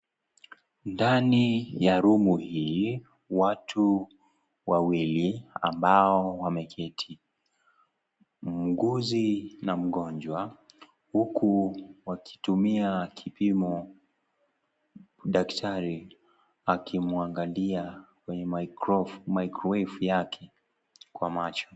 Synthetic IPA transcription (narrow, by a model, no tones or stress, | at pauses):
ndanijaɾumuhi | watʰu | wawilia̰mbaɔwamɛkʰɛtʰi | m̩ɡuzinam̩ɠɔnd͡ʒwa | hukʰuwakʰi̥tumiakʰipimɔ | ɗaktʰaɾi | akʰimuaŋɡaliakwɛɲɛ | maikɾɔwɛfujakʰɛ | kwamat͡ʃɔ̥